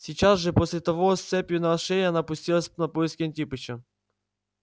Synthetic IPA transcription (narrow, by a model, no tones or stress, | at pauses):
sʲit͡ɕazʐɛposʲlʲɪt̪ɐʋost̪sɛpʲjʊnɐɐʂɛjʲɐnapʊsʲtʲilˠəsʲnɐpojɪskʲɪɐnʲtʲipɨt͡ɕɐ